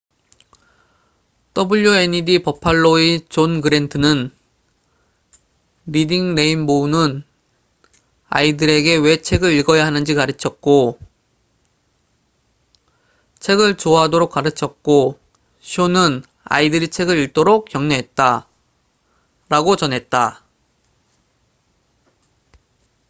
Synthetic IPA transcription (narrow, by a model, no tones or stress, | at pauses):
t͈ʌbuʎːoeɲidipʌpʰaɭːoit͡ɕonɡɯɾe̞ntʰɯnɯn | ɾidiŋɾe̞imbounɯn | a̰idɯɾe̞ɡe̞we̞t͡ɕʰe̞ɡɯɾiɭɡʌjaɦanɯnd͡ʑikaɾɯt͡ɕʰʌt̚k͈o | t͡ɕʰe̞ɡɯɭt͡ɕoɦadoɾok͈̚aɾɯt͡ɕʰʌtk̚k͈o | ɕʰionɯn | a̰idɯɾit͡ɕʰe̞ɡɯɾiɭt͈oɾok̚k͈jʌŋneɦe̞t̚t͈a | ɾaɡot͡ɕʌnɦe̞t̚t͈a